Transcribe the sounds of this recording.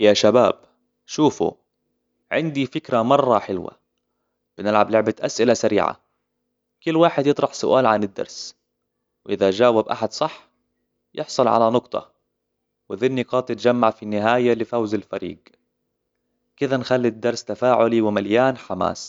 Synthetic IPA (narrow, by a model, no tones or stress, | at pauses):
jaːʃabaːb | ʃuːfṵ | ʕɪ̰nd̪ifɪkɾamɑrˤːɑħɪlwa̰ | b̥ɪnɪlʕablɪʕbat̪ʔasʔɪlasaɾḭːʕa̰ | kʊlːwaːħɪd̪jɨt̪ˤɾˤɑħsʊʔaːlʕanɪd̪ːɑ̰ɾˤs | wʔɪðad͡ʒaːwabʔa̰ħad̪sˤɑħː | jɪħsˤɑlʕa̰lanʊqt̪ˤʰɑ̰ | wɪðɪnːiqɑːt̪ˤjɪt̪d͡ʒamːaʕfinːɪɦaːjalɪfawzalfa̰ɾḭːɡ | kɪðanxalːid̪ːɑɾˤst̪afaːʕʊliwɪmaljaːnħama̰ːs